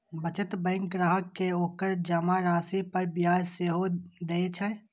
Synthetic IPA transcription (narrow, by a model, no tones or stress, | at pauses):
bət͡ʃət̪bɛ̃ŋk̚ɡɾaːɦəkːeoːkəɾd͡ʒɐmaɾaːsipɐɾbjaːd͡ʒseɦod̪eːt͡ʃʰɛ